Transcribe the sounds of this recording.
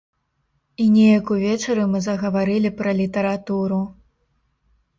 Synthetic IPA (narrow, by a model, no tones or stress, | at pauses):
inʲɛjɐkuvʲɛt͡ʂɐɾɨmɨzɐɣɐvaɾɨlʲipɾɐlʲit̪ɐɾat̪uɾu